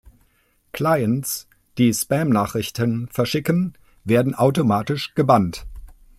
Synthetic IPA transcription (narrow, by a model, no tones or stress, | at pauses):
kl̥aɪəns | d̥iːspɛmnaːχʁ̥ɪçtənfɛɐʃɪkən̩ | veːɐdn̩ʔaʊtomaːtɪʃɡ̥əbant